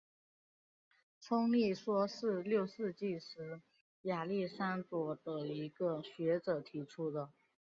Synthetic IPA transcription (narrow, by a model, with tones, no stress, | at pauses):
ʈ͡ʂʰʊ˥ŋli˥˩ʂwɔ˥ʂɻ̩˥˧ljo˥˧ʊʂɻ̩˥˧t͡ɕi˥˩ʂɻ̩˧˥ | ja˨˩li˥˩ʂa˥nt͡swɔ˧˥˩d̪ə˧i˧˥ɡə˧ɕɥɛ˧˥ʈ͡ʂɤ˨˩t̪ʰi˧˥ʈ͡ʂʰu˥d̪ə˨